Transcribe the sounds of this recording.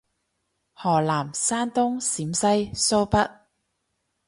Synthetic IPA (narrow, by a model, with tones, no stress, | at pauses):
hɔː˨˩laː˨˩msaː˥nt̪ʊ˥ŋsiː˨˥msɐ˥jso˥wpɐ˥t̚